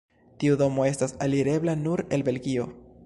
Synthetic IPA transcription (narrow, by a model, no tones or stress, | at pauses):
tiudo̞mo̞e̞stasaliɾe̞blanuɾe̞lbe̞lɡio̞